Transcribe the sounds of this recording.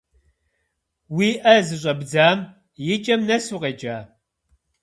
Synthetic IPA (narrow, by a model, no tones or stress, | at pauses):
wiːʔɐzɨɕʼɐbd͡zaːm | jɪt͡ʃʼɐmnɐsuqet͡ʃʼaː